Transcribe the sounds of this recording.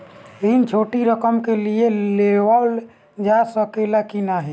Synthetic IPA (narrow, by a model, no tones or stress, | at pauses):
ɾint͡ʃʰoʈiɾəkəmkelieleʋal | d͡ʒasəkelakinaɦɛ